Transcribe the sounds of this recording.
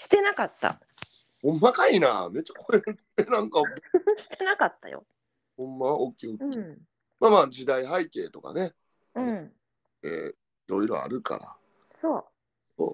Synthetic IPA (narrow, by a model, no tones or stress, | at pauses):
ɕi̥t̪e̞nakat̪ːa̰ | hõmːakainaːme̞t͡ɕːḁkoeɾɯt̪ | enãŋkaɕi̥t̪enakat̪ːa̰jo̰ | hõ̞mːaokʲːiokʲ | maːmaːd͡ʑid̪aiɦaike̞ːt̪o̞ka̰ne̞ | ɯ̟̃ɴ | ḛː | iɾo̞iɾo̞̰a̰ɾɯ̟ka̰ɾa̰ | soː | so̰ː